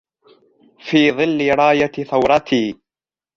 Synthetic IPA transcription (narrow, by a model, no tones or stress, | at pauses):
fiːðˤɨlːɪɾˤɑːjaθawɾˤɑt̪ʰiː